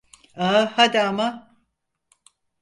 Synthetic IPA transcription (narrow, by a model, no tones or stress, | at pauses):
ahad̪iama